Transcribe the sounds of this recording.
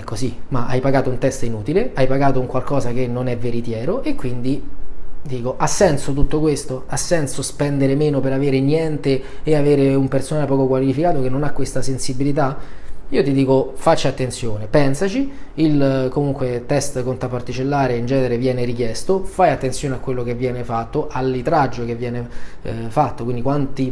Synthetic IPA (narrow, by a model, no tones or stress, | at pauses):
ɛkːosimaʔa̰jpaɡaːt̪ount̪ɛst̪inuːt̪ileajpaɡaːt̪ouŋkwalkɔːzak̟enːonɛveɾit̪jɛːɾoʔekːwind̪i | d̪iːkoʔasːɛnsot̪ut̪ːokwest̪oasːɛnsospɛnd̪eɾemeːnopeɾaveːɾenjɛnt̪eːaveːɾeumpersonaːlepɔːkokwalifikaːt̪ok̟enːonakːwest̪asensibilit̪aiːot̪id̪iːkofat͡ʃːat̪ːent̪sjoːnepɛnsat͡ʃiilkomuŋkwet̪ɛst̪kont̪ɾapːart̪it͡ʃelːaːɾeind͡ʒɛːneɾevjɛːneɾikjɛst̪ofajat̪ːent̪sjoːneakːwelːokevːjɛːnefat̪ːoʔalːit̪ɾad͡ʒːok̟evːjɛːnefat̪ːokwind̪ikwant̪i